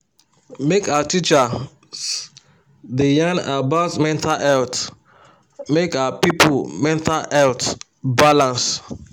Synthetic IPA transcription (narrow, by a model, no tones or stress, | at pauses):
mekawatit͡ʃa | s | dejãnabaʊtmɛ̃ntalɛlt | mekawapipʰulmɛ̃ntalɛlt | balãns